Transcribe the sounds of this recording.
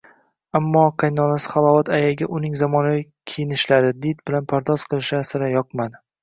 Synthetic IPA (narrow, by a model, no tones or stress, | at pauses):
amːɒqʰɑjnɒnasɪ̥χɑlˠɒvat̪ʰajaɡʲaʔʊnɪŋzamɒnavi | kʲʰejɪnɪʃlaɾɪd̪ɪt̪̚bɪlanpʰaɾd̪ɒz̥qʰɨlˠɪʃasɪɾajɒq̚mad̪ɪ